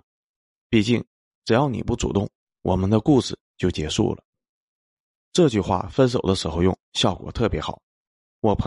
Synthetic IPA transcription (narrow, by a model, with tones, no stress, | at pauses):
pi˥˧t͡ɕi˥˩ŋ | ʈ͡ʂɻ̩˨˩jɑ˥˩ʊnḭ˨˩pu˥˩ʈ͡ʂṵ˨˩t̪ʊ˥˩ŋ | wʔɔ̰˨˩mə˦nd̪ə˧ku˥˧˩ʂɻ̩˨˩t͡ɕjo˥˩ʊt͡ɕjɛ˧˥ʂṵ˥˩lə̰˩ | ʈ͡ʂɤ˥˧t͡ɕy˥˧xwa̰˥˩fə˥ns̬o˨˩ʊd̪ə˦ʂɻ̩˧˥xo˧ʊjʊ˥˩ŋɕjɑ˥˩ʊkwɔ̰˨˩t̪ʰɤ˥˩pjɛ˧˥xɑ˨˩˦ʊ | wɔ˨˩pʰ